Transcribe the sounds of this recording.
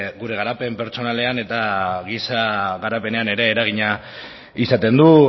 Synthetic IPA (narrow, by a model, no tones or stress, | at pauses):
ɣuɾe̞ɣ̞aɾape̞mpe̞ɾt͡so̞nale̞ane̞t̪aɣisaɣaɾape̞ne̞ane̞ɾe̞ːɾaɣ̞iɲa | isat̪e̞nd̪u